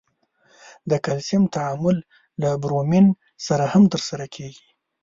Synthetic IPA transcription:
d̪əkalsɪmt̪aʕamʊlː | abɾomin | saɾahamt̪əɾsaɾakʰeɡi

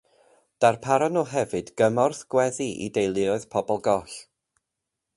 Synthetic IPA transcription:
d̥arpʰaɾɔnɔɦɛvɨdɡ̥əmɔrθɡ̥wɛðiʔḭdejlˠɪɔɨðpʰɔbɔlˠɡɔɬ

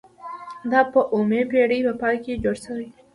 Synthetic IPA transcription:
d̪ɑpəʔomepeɽəjpəpɑjked͡ʒoɽsəwi

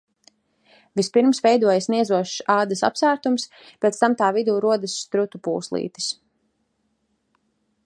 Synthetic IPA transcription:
vispiɾmsvɛjd̪uɔjasniɛzuɔʃsaːd̪ɐsa̰psæːɾt̪ums | pʲɛt̪st̪amt̪aːvid̪uːɾuɔd̪asːt̪ɾut̪upṵːslˠḭːt̪i̥s

